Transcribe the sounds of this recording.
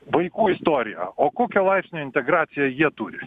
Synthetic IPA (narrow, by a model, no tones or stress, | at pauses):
ʋɐɪkuːɪst̪oːɾʲɪjɛ̰oːkoːkʲɛlˠɐɪpʲsʲnʲoːɪnʲt̪ʲɛɡɾɑːt̪sʲɪjɛjiɛt̪uːɾʲɪ